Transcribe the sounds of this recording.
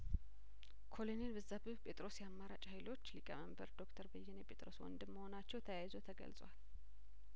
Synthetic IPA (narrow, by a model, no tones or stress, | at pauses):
kʰo̞lonelbɨzabɨbpʼʰe̞t̪ʼɾo̞sjɛamːaɾat͡ʃʼhajlo̞t͡ʃːlikʼəməmbəɾd̪o̞kt̪ʰəɾbəjːɛnjɛpʼe̞t̪ʼɾo̞swɔ̰nd̪ɨmːəho̞nat͡ʃːɛwt̪ʰəjajzot̪ʰəɡə̰lsʼwal